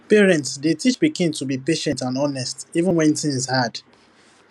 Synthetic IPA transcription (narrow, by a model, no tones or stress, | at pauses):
pɛɹɛ̃ntsdetit͡ʃbiɡĩntubipeʃɛ̃ntãnɔnɛstivə̃nwɛ̃ntĩŋzhad